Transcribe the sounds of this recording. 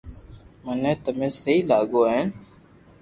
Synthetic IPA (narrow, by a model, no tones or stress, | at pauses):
mənẽːt̪əmẽːsəiːlaːɠoːɦeːn